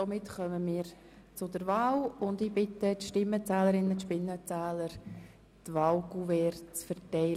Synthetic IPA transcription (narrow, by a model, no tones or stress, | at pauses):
somɪtχœməmiːɾ | t͡sʊdəɾvɑːwʊndiːbɪtətʃtɪmːət͡sɛːləɾɪnətʃpɪnːət͡sæːləɾ | tʋɑːʊɡuvɛːɾt͡sfəɾtɛɪl